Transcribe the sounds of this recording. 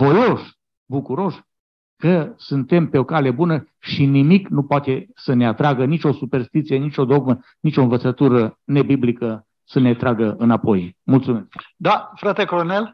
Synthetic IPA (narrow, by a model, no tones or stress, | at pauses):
vo̞jo̞ʃ | bukuɾo̞ʃ | kəsɨnt̪e̞mpe̞o̞kale̞bunə | ʃinimiknupoat̪e̞səne̞at̪ɾaɡənit͡ʃʲo̞supe̞rst̪it̪sije̞nit͡ʃʲo̞d̪o̞ɡmə | nit͡ʃo̞ɨnvət̪sət̪uɾəne̞biblikə | səne̞t̪ɾaɡəɨnapo̞jmult̪sumeskd̪afɾat̪ekɾonel